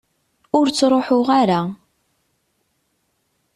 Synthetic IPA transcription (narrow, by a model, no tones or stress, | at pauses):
ʊɾt͡sːɾˤoħʊʁaɾa